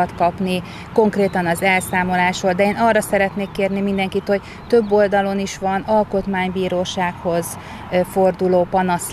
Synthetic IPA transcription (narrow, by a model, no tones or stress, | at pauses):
ɒt̪kɒpni | ko̞ŋkreːt̪ɒnɒzɛlsaːmo̞laːʃoːld̪ɛeːnɒrːɒsɛɾɛt̪neːkːeːrnimind̪ɛŋkit̪ho̞ɟ | t̪ø̞bːo̞ld̪ɒlo̞niʃʋɒnɒlko̞t̪maːɲbiːɾoːʃaːkho̞z | fo̞rd̪uloːpɒnɒs